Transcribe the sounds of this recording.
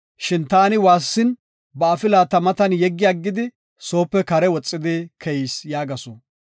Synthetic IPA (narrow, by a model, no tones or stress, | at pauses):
ʃɪnt̪aːnɪwaːsːɪn | bɐɐfɪlaːt̪ɐmɐt̪ɐnjɛɡːɪjɐɡːɪd̪ɪ | so̞ːpːɛkɐɾɛwɔt͡sʼːɪd̪ekʰɛjsjaːɡɐso